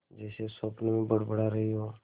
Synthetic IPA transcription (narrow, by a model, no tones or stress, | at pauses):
d͡ʒɛːsesoːpnmẽbəɽbəɽaɾəɦiɦoː